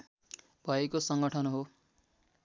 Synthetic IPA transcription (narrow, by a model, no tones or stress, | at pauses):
bʱʌekosʌŋɡʌʈʰʌnɦo